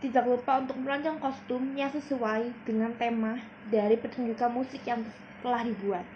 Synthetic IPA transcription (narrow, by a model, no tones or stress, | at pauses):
t̪idak̚lupaunt̪ʊk̚məlɔɲd͡ʒɔŋkɔst̪ʊmjasəsuwaid̥əŋant̪emah | daɾipərt̪uɲd͡ʒukanmusɪkjaŋ | t̪əlahdibuat̪̚